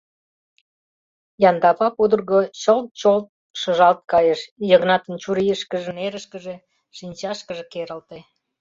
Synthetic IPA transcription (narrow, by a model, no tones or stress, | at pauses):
jɑnd̪ɑpɑpud̪ərɣot͡ɕəlt̪̚t͡ɕolt̪̚ | ʃə̆ʒɑlt̪̚kɑjeʃjəɣnɑt̪ənt͡ɕuɾijəʃkəʒĕneɾəʃkəʒe | ʃinʲt͡ɕɑʃkəʒekeɾəlt̪e